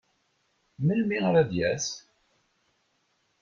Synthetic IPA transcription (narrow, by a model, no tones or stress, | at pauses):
məlmiʁɾaðjæθ